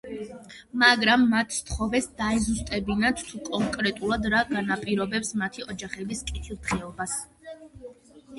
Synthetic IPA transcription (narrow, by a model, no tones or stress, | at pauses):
maɡɾamːat̪ʰːt̪ʰχɔvɛsd̪aɛzust̪ʼɛbinat̪ʰt̪ʰukʼɔŋkʼɾɛt̪ʼulˠad̪ɾaɡanapʼiɾɔbɛpsmat̪ʰiɔd͡ʒaχɛbiskʼit̪ʰilˠt̪χɛɔbas